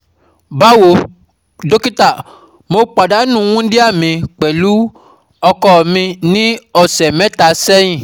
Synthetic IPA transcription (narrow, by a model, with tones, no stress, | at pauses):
ba˦wo˨˦ | do˦ki˦ta˦˨ | mo˧k͡pa˨da˨˦nũ˦˨˦w̃ũ˦di˦a˦˨mĩ˨˧k͡pɛ˨lu˨˦ | ɔ˧kɔ˦˨mĩ˧nĩ˦ɔ˦˨sɛ˨mɛ̃˨˦ta˨sɛ˦j̃ĩ˦˨